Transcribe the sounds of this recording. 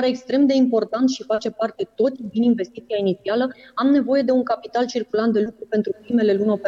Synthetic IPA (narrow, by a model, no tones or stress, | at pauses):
aɾeːkst̪ɾe̞md̪e̞impo̞rt̪ant̪ʃifat͡ʃe̞part̪e̞t̪o̞t̪sʲd̪ininve̞st̪it̪siainit̪sialəamne̞vo̞je̞d̪e̞uŋkapit̪alt͡ʃirkulant̪̚d̪e̞lukɾupe̞nt̪ɾupɾime̞le̞lunʲo̞p